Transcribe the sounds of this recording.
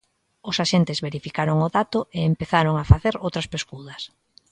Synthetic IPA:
ʊsaʃent̪ɪzβeɾifikaɾoŋʊðat̪ʊeːmpeθaɾoŋafaθeɾowt̪ɾɐspeskuðɐs

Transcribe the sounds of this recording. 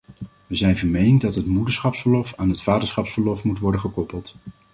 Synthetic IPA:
ʋəzɛjnvɑɹmejnɪŋdɑtɦətmudəɹsχɑpsfəɹlɔfaːnɦətfaːdəɹsχɑpsfəɹlɔfmutʋɔɹdəχəkɔpəlˠt

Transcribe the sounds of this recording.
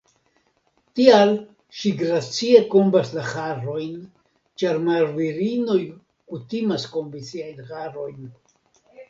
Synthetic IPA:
tial | ʃiɡɾat͡sie̞kombaslaxaɾo̞jn | t͡ʃaɾmaɾviɾino̞j | kutimaskombisiajnxaɾo̞jn

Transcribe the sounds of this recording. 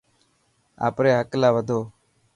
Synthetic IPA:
a̰ːpɾeːɦəklaːʋəd̪ʱoː

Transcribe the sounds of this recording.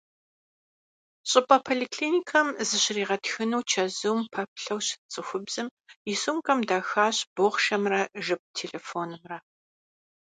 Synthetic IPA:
ɕʼɪpʼɐpʰoːlikʰɬiːnikʰɐmzɨɕɪriːʁɐtxɨnuwt͡ʃʰɐzuwmpʰɐp̚ɬɐwɕɪ̥t͡sʼɨxʷʊbz̥ɨmjɪsumkʼɐmdaːxaːɕb̥oχʃɐmrɐʒɨp̚tʰeːɮeːfoːnɨmrɐ

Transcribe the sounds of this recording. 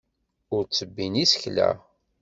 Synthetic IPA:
ʊɾt͡sːəbːinisə̥çlæ̰

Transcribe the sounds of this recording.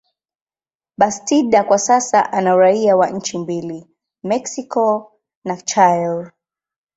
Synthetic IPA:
ɓastiɗakwasasaʔanauɾaiawaɲ̩t͡ʃimbili | mɛksikɔ | nat͡ʃajl

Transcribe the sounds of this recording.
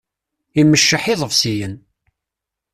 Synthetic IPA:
iməʃːəħɪðˤəvsijən

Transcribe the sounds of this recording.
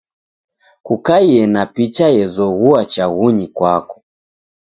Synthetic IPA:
kukaiɛnapit͡ʃajɛzɔɣuat͡ʃaɣuɲikwakɔ̥

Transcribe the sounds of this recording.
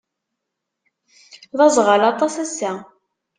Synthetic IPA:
ðɑzʁəlɑt̪ˤɑsæsæ

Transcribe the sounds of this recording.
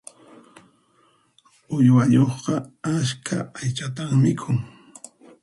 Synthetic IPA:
ʊjwaʎoχqɑaskʰa̰ajt͡ʃat̪aŋmɪkʰʊŋ

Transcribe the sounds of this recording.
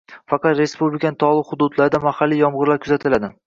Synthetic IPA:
fɑqʰɑt̪ɾe̞spublɪkʰanɪt̪ʰɒlˠɪhʊd̪ʊd̪laɾɪd̪amahalːijɒmʁɨɾlaɾkʰʊzat̪ʰɪlad̪ɪ

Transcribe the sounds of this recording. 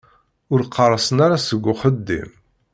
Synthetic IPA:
ʊɾqʰːɑrˤːəsənaɾasəɡʷːʊχəd̪ːḭm

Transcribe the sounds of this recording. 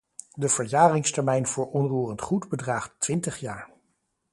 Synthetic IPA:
dəv̥əɹjaːrɪŋstɛɹmɛjnv̥ʊːɹɔnruːrəntχudbədraːχtʋɪntəχjaːɹ

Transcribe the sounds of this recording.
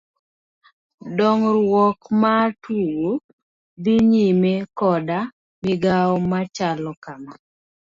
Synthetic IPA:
dɔŋɾwɔkmatuwo | d̪iɲimekɔda | mɪɡaɔmat͡ʃalɔkama

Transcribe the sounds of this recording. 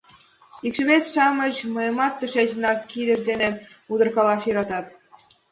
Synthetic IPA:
ikʃə̆met̪ʃɑmə̆t͡ɕmɤjɤ̆mɑt̪ːə̆ʃeʑ̆nɑkːid̪ə̆ʃd̪ene | ud̪ɤ̆rkɑlɑʃjɤ̆ɾɑt̪ɑt̪

